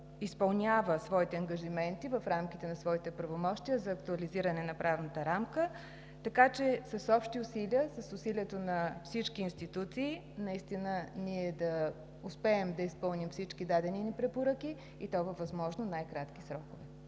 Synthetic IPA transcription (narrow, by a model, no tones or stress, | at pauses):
ispɐlˠnʲavəsvɔit̪ɛɐŋɡəʒimɛnt̪ivɐfɾamk̟it̪ɛnɐsvɔit̪ɛpɾɐvomɔʃt̪ijəzɐːkt̪uɐliziɾənɛnɐpɾavnət̪əɾamkə | t̪ɐkat͡ʃɛsəsɔpʃt̪iʊsiliəsəsʊsiliɛt̪onɐfsit͡ʃkiːnst̪it̪ut̪siː | nɐist̪inəniɛd̪ɐ | ʊspɛːmd̪ɐispɤlˠnimfsit͡ʃkid̪ad̪ɛninipɾɛpoɾəki | it̪ɔvɐvɐzmɔʒnonajkɾat̪k̟i̥sɾɔkʊvɛ